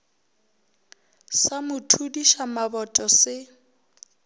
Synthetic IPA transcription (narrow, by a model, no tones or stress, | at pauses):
samʊtʰudiʃamabɔtʼɔsɪ